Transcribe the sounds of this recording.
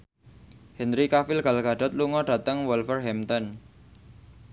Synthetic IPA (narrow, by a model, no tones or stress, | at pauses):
hɛnɾikafɪlɡ̥a̤lɡ̥a̤ɖ̥ɔ̤t̪̚luŋɔɖ̥a̤t̪əŋwɔlfərɦɛmt̪ɔn